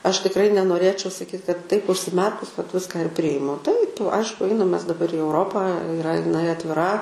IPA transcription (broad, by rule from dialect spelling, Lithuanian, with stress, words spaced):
ˈɐʃ tʲɪkˈrɐɪ nʲɛnoːˈrʲeːt͡ʃʲɛʊ sɐˈkʲiːt kɐt tɐɪp ʊʃʲsʲɪˈmʲɛrkʊs ʋɐt ˈʋʲɪskɑː ɪr ˈpʲrʲɪjɪmʊ tɐɪp ˈɐɪʃkʊ ˈɐɪnɐm ˈmʲɛs dɐˈbɐr ɪ ɛʊˈroːpɑː ɪˈrɐ ɪˈnɐɪ ɐtʲʋʲɪˈrɐ